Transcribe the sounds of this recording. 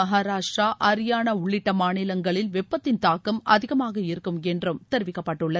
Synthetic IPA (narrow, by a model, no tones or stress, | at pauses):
ɐɦaːɾaːʂʈɾaːʔɐɾɪjaːnɐʊɭːɪʈːɐmaːnɪlɐŋɡɐɭɪlʋɛpːɐt̪ːɪnt̪aːkːɐmɐ̰ðɪɣɐmaːɣɐɪɾɯkːɯmɛndrɯmt̪ɛɾɯʋɪkːɐpːɐʈːɯɭːɐð